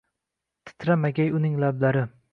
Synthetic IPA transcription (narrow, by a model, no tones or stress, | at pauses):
t̪ʰɪ̥t̪ʰɾamaɡʲajʊnɪŋlablaɾɪ